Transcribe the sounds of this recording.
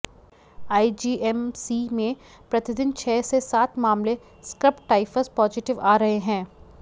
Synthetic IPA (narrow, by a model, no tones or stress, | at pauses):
aːid͡ʒiːʔɛmsiːmẽ | pɾɐt̪ɪd̪ɪnt͡ʃʰɛːsesaːt̪ʰmaːmle | skɾɪpʈaːɪfəspɔːzɪʈɪʋaːɾɐɦeɦɛ̃ː